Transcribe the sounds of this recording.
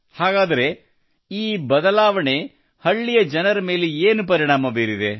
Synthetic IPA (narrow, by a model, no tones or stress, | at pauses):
haːɡaːd̪ɐɾe̞ | iːbɐd̪ɐlaːʋɐɳe | hɐɭːijɐd͡ʒɐnɐɾɐme̞ːleeːnup̬ɐɾiɳaːmɐbeːɾid̪e̞